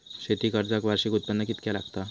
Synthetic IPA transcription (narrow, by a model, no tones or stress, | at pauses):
ɕet̪iːkəɾd͡zakʋaɾɕiːkut̪̚pəndəkit̪kalaɡt̪a